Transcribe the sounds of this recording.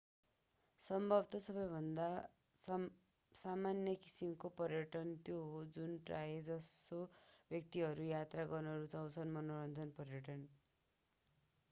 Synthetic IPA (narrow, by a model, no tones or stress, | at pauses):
sʌmbʱʌbt̪ʌsʌbʌjbʱʌnd̪a | samanjʌki̥simkopʌrjʌʈʌnt̪joɦod͡zunprajed͡zʌsobʱjʌk̚t̪iɦʌɾujat̪raɡʌnʌɾut͡sʰʌw̃t͡sʰʌnmʌnoɾʌnd͡zʌnpʌrjʌʈʌn